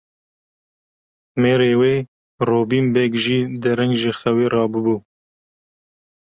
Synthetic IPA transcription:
meːɾeːweː | roːbiːmbɛɡʒiːd̪ɛɾɛŋɡʒexɛweːrɑːbɨbuː

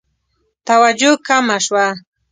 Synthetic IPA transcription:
t̪awad͡ʒʊkamaʃwa

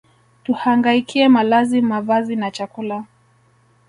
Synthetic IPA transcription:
tuhaŋɡaikʰiɛmalazimavazinat͡ʃakula

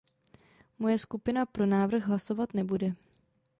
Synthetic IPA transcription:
mo̞jɛskupɪnapɾo̞naːvr̩ɣɦlaso̞vat̪nɛbudɛ

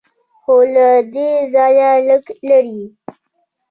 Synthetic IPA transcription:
xolad̪ezɑjaləklaɾi

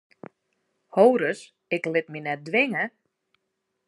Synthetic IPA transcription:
howɾəs | ɪklɪt̚minɛt̚dʋɪŋə

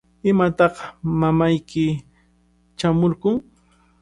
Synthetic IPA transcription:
ɪmat̪ɑqmamajkɪ | t͡ʃamʊɾkʊŋ

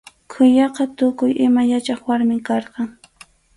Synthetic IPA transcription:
kʰʊjɑqɑt̪ʊkʊjʔɪmajat͡ʃɑχwaɾmɪkɑɾqɑŋ

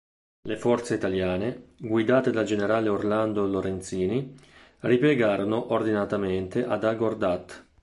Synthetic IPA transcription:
lefɔrt̪seit̪aljaːneɡwid̪aːt̪ed̪ald͡ʒeneɾaːleorland̪oloɾent̪siːni | ripjeɡaːɾonoʔord̪inat̪ament̪eʔad̪aɡord̪at̪ː

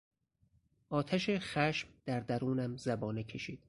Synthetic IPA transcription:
ʔɒːt̪ʰæʃexæʃmd̪̥æɾd̪æɾuːnæmzæbɒːnecʲʰe̞ʃiːd̪̥

